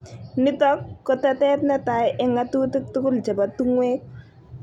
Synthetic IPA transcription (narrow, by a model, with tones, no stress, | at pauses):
nɪ˦tɔ˦kːɔ˨tɛ˦tɛ˦tnɛ˦ta˨ɪʔɛ˦ŋa˦tuː˦tɪ˦k̚tʊ˦kʊ˦ld͡ʒɛ˨ba˨tu˦ŋweː˦k̚